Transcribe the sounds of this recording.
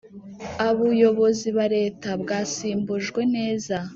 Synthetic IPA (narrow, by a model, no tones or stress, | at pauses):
aβujo̞βo̞ziβaɾe̞ːtabɡaːsiːmbuʒɡwe̞ne̞ːza